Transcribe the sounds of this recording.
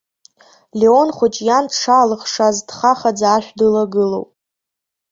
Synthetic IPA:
leo̞nχʷʊt͡ʃʼjandʰʂaːlɨχʂazdχaχad͡zaːʃʷᶣdɨlaɡɨlo̞̰wpʼ

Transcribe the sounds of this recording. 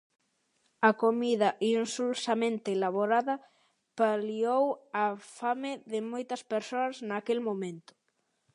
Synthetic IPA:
ɐkomiðɐʔinsulsamẽnt̪eːlaβoɾaðɐ | paliowafamɪðɪmojt̪ɐspeɾsoɐznakelmomẽnt̪ʊ̥

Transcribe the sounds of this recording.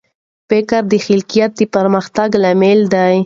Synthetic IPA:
fɪkaɾd̪əxɪlkijat̪̚d̪əpaɾmaxt̪aɡlameld̪aj

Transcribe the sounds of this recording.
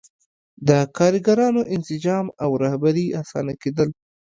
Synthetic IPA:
d̪əkɑɾiɡaɾɑnoʔɪnsɪd͡ʒɑmawɾahbaɾiasɑ̰naked̪əl

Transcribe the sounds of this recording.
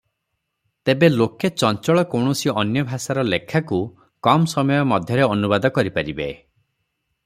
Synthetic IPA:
t̪ebeloket͡ʃɔnt͡ʃɔɭɔkowɳ̃ɔsiɔnjɔbʱasaɾɔlekʰːaku | kɔmsɔmɔjɔmɔd̪ʱjɔɾeɔnubad̪ɔkɔɾipaɾibe

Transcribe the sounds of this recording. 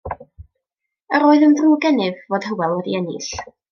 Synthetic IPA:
əɾoːɨðəndruːɡɛnɪvːoːd̥həwɛlˠɔdḭɛnɪ̰ɬ

